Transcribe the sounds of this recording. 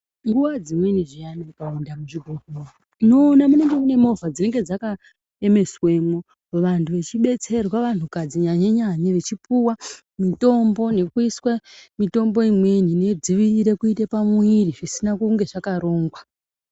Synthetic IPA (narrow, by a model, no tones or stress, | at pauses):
ŋɡuʋad͡zimweniʐianakaundamuʐiɡʱoɡʱoro | nonamune̞ŋɡe̞mune̞mo̞vad͡zine̞ŋɡe̞d͡zaka | eme̞sweːmo | ʋantʰuʋe̞t͡ʃiɓe̞t͡se̞rwaʋan̤ukad͡ziɲaɲaɲaɲaʋet͡ʃipuwa | mito̞mbo̞ne̞kuiswamito̞mbo̞imwe̞nine̞d͡ziʋiriɾekuitepamwiriʐisinakuŋɡe̞ʐakaɾo̞ːŋɡwa